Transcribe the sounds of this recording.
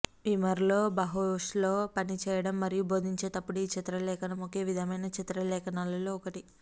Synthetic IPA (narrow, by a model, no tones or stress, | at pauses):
ʋimɐɾlo̞ːbɐɦoʂlo̞ːpɐnit͡ʃɛːjɐɽɐmːɐɾijubo̞ːd̪ʱiɲt͡ʃe̞ːt̪ɐpːuɽuiːt͡ʃit̪ɾɐlɛːkɐnɐmoke̞ːʋid̪ʱɐmɐjnɐt͡ʃit̪ɾɐlɛːkɐnaːlɐloːɔkɐʈi